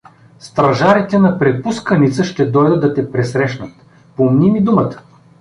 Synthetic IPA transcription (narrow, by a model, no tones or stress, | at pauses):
st̪ɾɐʒaɾit̪ɛnɐpɾɛpuskənit̪səʃt̪ɛd̪ɔjd̪əd̪ɐt̪ɛpɾɛsɾɛʃnət̪ | pomnimid̪umət̪ə̥